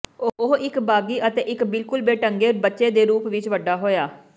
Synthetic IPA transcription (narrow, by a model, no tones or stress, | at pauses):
oɦɪkbaːɡiːʔət̪eːʔɪkbɪlkʊlbeːʈəŋɡeːɾbətːʃeːd̪eːɾuːpʋɪt͡ʃʋəɖːaːɦoːjaː